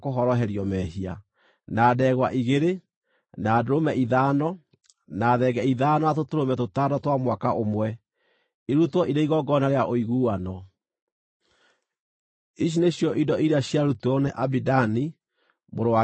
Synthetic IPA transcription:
koɦɔɾɔɦɛɾiɔmɛhia̰ | naːdɛɣwaʔiɣeɾe | naːdoɾomɛʔiðaːnɔ | naːðɛɡɛiðaːnɔatotoɾomɛtotadɔtwamwakaʔomwɛ | iɾutwɔʔiɾeiɣɔɡɔnaɾeaʔoiɣuːwanɔ | iʃ̬ineɕjɔʔidɔiɾeaɕjaɾutɔnɛʔabidani | moɾowa

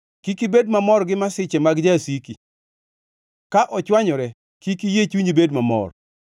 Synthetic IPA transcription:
kikibedmamɔɾɡɪmasɪt͡ʃɛmaɡd͡ʒasiki | kaʔɔt͡ʃwaɲɔɾɛ | kikijet͡ʃuɲibedmamɔ̰r

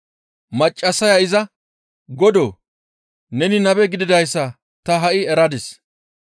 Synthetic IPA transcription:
mɐt͡ʃʼːɐsɐjɐɪzɐ | ɡɔd̪oː | nɛnɪnɐbɛɡɪd̪ɪd̪ɐjsːɐ | t̪ɐɦɐʔɪɛɾɐd̪ɪs

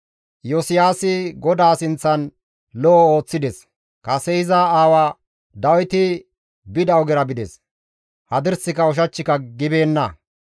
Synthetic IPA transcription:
jɔsɪjaːsɪɡɔd̪aːsɪnt͡sːɐn | lɔʔːo̞ːt͡sːɪd̪ɛs | kɐsɛjɪzɐaːwa | d̪ɐwɪt̪ɪ | bɪd̪ɐwɡɛɾɐbɪd̪ɛ̰s | hɐd̪ɪɾsɪkɐʊʃ̬ɐt͡ʃːɪkɐɡɪbe̞ːnːɐ

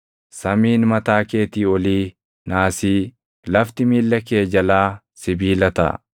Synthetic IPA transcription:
sɐmiːnmɐt̪aːke̞ːt̪iːɔliː | naːsiː | lɐft̪ɪmiːlːɐke̞ːd͡ʒɐlaː | sɪbiːlɐt̪ɐ̰

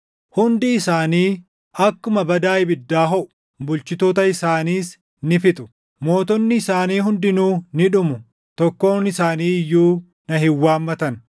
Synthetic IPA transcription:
hʊnd̪ɪːsaːniː | ɐkːʊmɐbɐd̪aːɪbɪd̪ːaːɦɔʔʊ̥ | bʊlt͡ʃɪt̪oːt̪ɐɪsaːniːs | nɪfɪt̪ʼʊ̥ | mo̞ːt̪ɔnːɪːsaːniːɦʊnd̪ɪnuːnɪᶑʊmʊ | t̪ɔkːo̞ːnɪsaːniːɪjːuː | nɐɦɪwːaːmːɐt̪ɐn

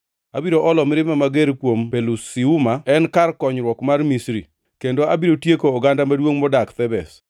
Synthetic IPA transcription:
abiɾoʔɔlɔmɪɾɪmamaɡeɾkwompelusiumaɛnkarkɔɲɾwɔkmarmisɾi | kendoabiɾotjekoːɡandamadwoŋmɔdakt̪ɛbɛs

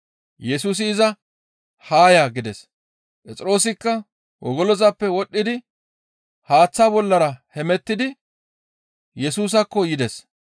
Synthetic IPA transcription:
jɛsuːs̬ɪːzɐ | haːjaɡɪd̪ɛs | pʼɛt͡sʼɪɾo̞ːs̬ɪkːɐ | wʔɔ̰ɡɔlɔzɐpːɛwɔɗːɪd̪ɪ | haːt͡sːaːbɔlːɐɾɐhɛmɛt̪ːɪd̪ɪ | jɛsuːs̬ɐkːɔjɪd̪ɛs

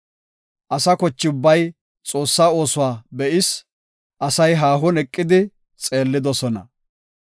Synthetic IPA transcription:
ʔɐsɐkɔt͡ʃːɪʊbːɐj | t͡sʼo̞ːsːaːo̞ːsʊwaːbɛʔɪs | ʔɐsɐjɦaːɦʊnɛkʼːɪd̪ɪ | t͡sʼeːlːɪd̪ɔsɔnɐ̰

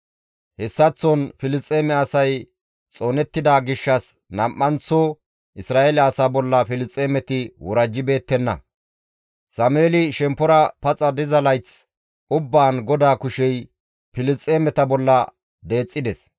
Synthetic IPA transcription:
hɛsːɐt͡sːɔnfɪlɪst͡sʼːeːmɛɐsɐj | t͡sʼo̞ːnɛt̪ːɪd̪aːɡɪʃːɐs | nɐmːɐnt͡sːo | ʔɪsɾaːʔelɛɐsaːbɔlːɐfɪlɪt͡sʼːeːmɛt̪ɪwɔɾɐd͡ʒːɪbe̞ːt̪ːɛnːɐ̰ | sɐmeːlɪʃɛmpːɔɾɐpɐt͡sʼɐd̪ɪzɐlɐjt͡s | ʔʊbːaːnɡɔd̪aːkʊʃɛj | fɪlɪt͡sʼːeːmɛt̪ɐbɔlːɐ | d̪e̞ːt͡sʼːɪd̪ɛs

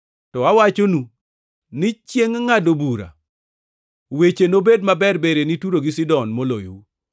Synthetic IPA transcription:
tɔawat͡ʃonu | nɪt͡ʃjeŋŋadobuɾa̰ | wet͡ʃenobedmabɛrbeɾenituɾoɡisɪdɔnmolo̰jou

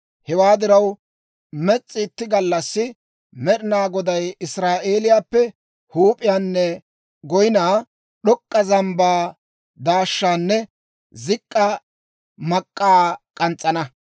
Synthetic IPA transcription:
hɛwaːd̪ɪɾɐw | mɛt͡sʼːɪːt̪ːɪɡɐlːɐsːɪ | mɛɗɪnaːɡɔd̪ɐjɪsɾaːʔe̞ːlɪjaːpːɛ | huːpʼɪjaːnːɛ | ɡɔjɪnaː | ɗɔkʼːɐzɐmbaː | d̪aːʃːaːnːɛ | zɪkʼːɐ | mɐkʼːaːkʼɐnt͡sʼːɐnɐ

